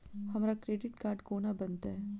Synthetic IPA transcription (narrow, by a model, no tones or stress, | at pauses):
hɐmaːɾakɾeːɖɪʈ̚kaːɾɖkoːnabɐnt̪aɦɛː